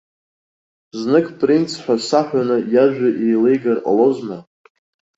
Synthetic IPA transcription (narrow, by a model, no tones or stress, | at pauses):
znɨkʰʼpʼrint͡sʰħʷᶣasaħʷᶣanɨjaʒᶣʷaʔejle̞jɡarʼa̰lozma